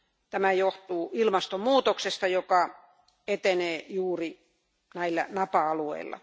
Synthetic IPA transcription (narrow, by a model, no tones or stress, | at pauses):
t̪æmæjoht̪uːilmɑst̪omuːt̪oksest̪ɑjokɑ | et̪eneːjuːri | næilːæ̰nɑpɑɑluḛilːɑ̰